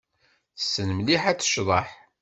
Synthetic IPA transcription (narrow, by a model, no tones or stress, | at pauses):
θəsːənmliħæt͡sːə̥ʃðˤɑħ